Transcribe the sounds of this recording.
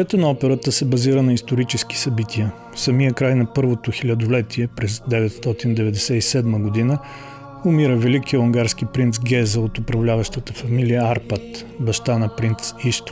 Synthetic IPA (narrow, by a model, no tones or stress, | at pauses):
ɛt̪ɛnɐɔpɛɾət̪əsɛbɐziɾənɐist̪oɾit͡ʃɛski̥sɐbit̪ʰiə | fsɐmijəkɾajnɐpɤɾvot̪oxilʲɐd̪olɛt̪ʰiɛpɾɛzd̪ɛvɛt̪st̪ɔt̪ind̪ɛvɛd̪ɛsɛisɛd̪məɡod̪inə | ʊmiɾəvɛlikiəlˠɐŋɡaɾsk̟ipɾint̪sɡʲɛzəot̪ʊpɾɐvlʲavəʃt̪ət̪əfɐmilijəaɾpat̪ | bɐʃt̪anɐpɾint̪siʃt̪